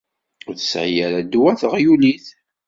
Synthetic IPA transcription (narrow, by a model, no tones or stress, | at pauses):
ʊθəsʕjæɾæd̪wæθəʁjuliθ